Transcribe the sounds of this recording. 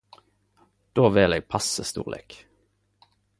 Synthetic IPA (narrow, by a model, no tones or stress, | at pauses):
d̪̥oːʋɪleːɡ̚pʰɑsəst̪ṵːʁlḛːk